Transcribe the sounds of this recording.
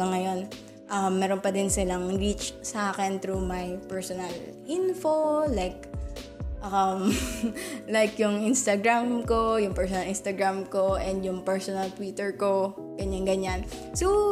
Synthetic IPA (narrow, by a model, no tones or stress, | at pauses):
ɐŋɐjo̞n | ʔɐmːɛːɾonpɐd̪ɪnsɪlɐŋɹit͡ʃsaːkɛnt̪ɾumajpɛɹsɔnɐlʔinfolajk̚ | ʔɐm | lajkjʊŋʔɪnst̪ɐɡɹamkojʊŋpɛɹsɔnɐlʔɪnst̪ɐɡɹamkoʔɛnd̪jʊŋpɛɹsɔnɐlt̪wiːt̪ɛɹko̞ | ɡ̥ɐɲaŋɡɐɲanso